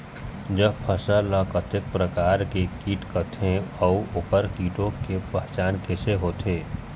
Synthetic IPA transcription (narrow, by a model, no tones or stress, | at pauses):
d͡ʒəbpʰəsəlakət̪ɪk̚pɾəkaːɾkekiːʈkət̪ʰẽɔuʊpəɾkiːʈõkepəɦt͡ʃaːnkeseɦoːt̪eː